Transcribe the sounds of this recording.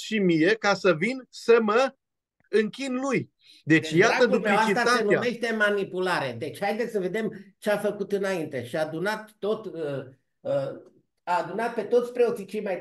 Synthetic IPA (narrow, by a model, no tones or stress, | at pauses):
ʃimije̞kasəvinsəmə | ɨŋkʲinluj | d̪e̞dt͡ʃjaəd̪up̪aivait̪ɾasenume̞ʃt̪e̞manipulaɾe̞d̪e̞t͡ʃʲhajd̪e̞sʲsəve̞d̪e̞mt͡ʃeafəkut̪ɨnaint̪e̞ʃiaːd̪unat̪ːo̞t̪ | ə | aːd̪unat̪̚pe̞t̪o̞t̪sʲpɾe̞o̞t̪sit͡ʃejmaj̪